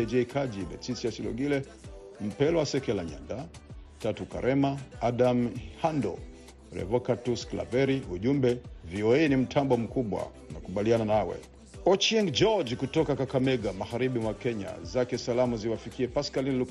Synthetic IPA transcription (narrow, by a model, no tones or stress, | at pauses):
ɛd͡ʒɛkʰad͡ʒiɓɛ̰sisiasilɔ̰ɡilɛ | m̩pɛlɔwasɛkɛlaɲa̰nda | tatuka̰ɾʔɛmaaɗamhandɔ̰ | ɾɛ̰vɔkatuskla̰vɛɾiʔuʄumbɛviɔɛnim̩tʰambɔm̩kuɓwa̰unakuɓaliananawɛ̰ | ɔt͡ʃɛŋɡd͡ʒɔd͡ʒkutɔkakakamɛɡamaɣaɾiɓimwakɛɲa̰zakɛsalamuziwafikiɛpaskalinlu